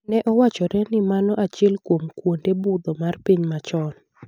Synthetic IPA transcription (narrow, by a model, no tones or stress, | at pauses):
nɛʔɔwat͡ʃɔɾɛnɪmanɔʔat͡ʃɪɛlkwomkwondebud̪ɔmarpiɲmat͡ʃɔn